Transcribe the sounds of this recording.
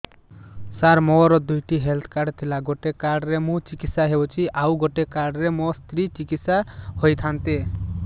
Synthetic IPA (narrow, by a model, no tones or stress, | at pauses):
saɾmɔɾɔd̪ujʈiɦelt̪ʰkaɾɖt̪ʰilaɡoʈekaɾɖɾemũt͡ʃikit̪saɦeot͡ʃʰiʔawɡoʈekaɖɾemɔst̪ɾit͡ʃikit̪sahojt̪ʰant̪e